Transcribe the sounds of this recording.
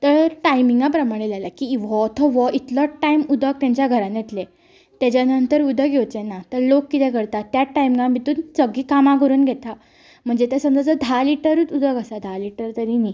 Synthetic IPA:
t̪əɾʈajmiŋɡapɾəmaɽ̃elalakiʋɔt̪ʰɔʋɔit̪lɔʈajmud̪ʱək̚t̪aɲt͡ɕjaɡʱəɾãnjet̪le | t̪jat͡ɕjanənt̪əɾud̪ʱəɡʱjewt͡ɕenat̪əɾlokːit̪ɛ̃kəɾt̪at̪jaʈːajmĩŋɡãmit̪uːnt͡səɡiːkamãkəɾuːnɡʱet̪a | m̤əɳd͡zet̪ɛsəmd͡zat͡səd̪ʱaliʈəɾuːt͡sud̪ʱəɡəsad̪ʱaliʈəɾt̪əɾini

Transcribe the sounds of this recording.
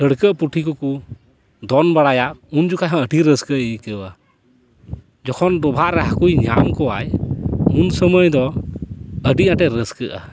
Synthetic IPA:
əɽkəʔpuʈʰikɔku | d̪ɔnbaɽajaʔund͡ʒukajɦɔ̃əʈiɾəskəʔikəwa | d͡ʒɔkʰɔnd̪ɔbʱaʔɾɛɦakujɲamkɔwajunsəməjd̪ɔ | əɖiãʈɛɾəskəʔa̰

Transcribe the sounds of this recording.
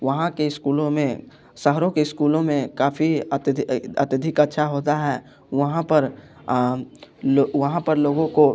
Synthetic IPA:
ʋɐɦãkeɪskuːlõmẽ | sɐɦɾõkeɪskuːlõmẽkaːfiət̪ɐ̰t̪ɪd̪ʱɪkɐtːʃʰaɦoːt̪aɦɛː | ʋɐɦãpɐɾ | ʋɐɦãpɐɾloːɡõko

